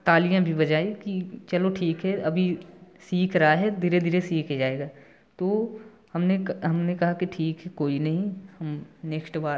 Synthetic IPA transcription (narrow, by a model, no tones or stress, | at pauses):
t̪aːlijãbʱibɐd͡ʒaːekit͡ʃɐloʈʰiːkɦɛɐbʱisiːkʰɾɐɦaɦɛd̪iɾed̪ɪɾesiːkʰd͡ʒaːeːɡaː | t̪oː | hɐmneɦɐmnekɐɦakiʈʰiːkɦɛkoːinɐɦĩhɐmneːksʈbaː